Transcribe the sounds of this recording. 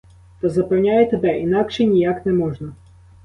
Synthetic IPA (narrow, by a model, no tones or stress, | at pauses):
t̪ɔzɐpɛwnʲajet̪ebɛʔinɑkʃɛnʲijaknɛmɔʒnɐ